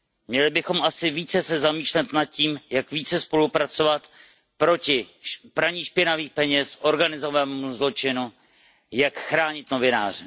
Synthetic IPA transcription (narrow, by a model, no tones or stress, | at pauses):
mɲɛlɪbɪxo̞mʔasɪviːt͡sɛsɛzamiːʃlɛt̪nat̪̚ciːmjakviːt͡sɛspo̞lupɾat͡so̞vat̪ | pɾo̞cɪpɾaɲiːʃpɪnaviːxpɛɲɛsʔo̞ɾɡanɪzovamuzlo̞t͡ʃɪnu | jakxɾaːɲɪt̪no̞vɪnaːr̝ɪ